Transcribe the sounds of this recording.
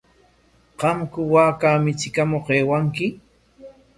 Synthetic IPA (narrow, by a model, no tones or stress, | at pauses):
qɑmkʊwaːkaːmɪt͡ʃɪkamoqeːwaŋkɪ